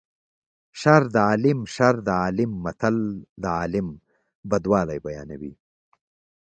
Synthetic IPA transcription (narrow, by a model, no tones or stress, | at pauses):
ʃaɾd̪ɐɑːlɪmʃaɾd̪ɐɑːlɪmːɐt̪ʰɐld̪ɐaːlɪm | bɐd̪wɑːlajbɐja̰ːnɐwḭː